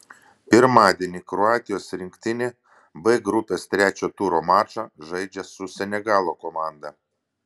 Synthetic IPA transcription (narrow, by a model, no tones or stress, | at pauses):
pʲɪɾmɑːd̪ʲeɛnʲikɾʊɑːt̪ʲɪjoːsɾʲɪŋkt̪ʲɪnʲe | bɛɡɾʊpʲeːst̪ʲɾʲæːt͡ʃʲoːt̪uɾoːmɑːʃɐʒɐɪd͡ʒʲɛsʊsʲɛnʲɛɡɑːlˠoːkɔmɑːnd̪ɐ